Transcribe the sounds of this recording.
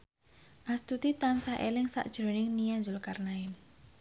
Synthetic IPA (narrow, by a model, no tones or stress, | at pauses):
ʔast̪ut̪it̪ansaʔelɪŋsa̰ʔd̥ʒ̥ɾo̤nɪŋnijanzʊlkarnaɪn